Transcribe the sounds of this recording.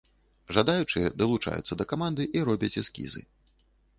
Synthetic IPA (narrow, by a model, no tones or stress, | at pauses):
ʐad̪ajut͡ʂɨjɛd̪ɐlˠut͡ʂa̰jṵt̪sːɐd̪ɐkamand̪ɨʔiɾɔbʲɐt͡sʲɛskʲḭzɨ̰